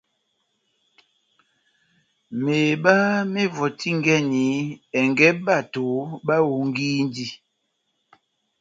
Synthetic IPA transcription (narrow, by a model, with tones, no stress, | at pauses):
meː˨ɓa˦me˦vɔ˨ti˦ŋ˦ɡɛ˦˨ni˨˦ɛ˨ŋɡɛ˦ɓa˦˨to˨˦ɓa˦wu˨ŋ˦ɡiː˦n˦di˦˨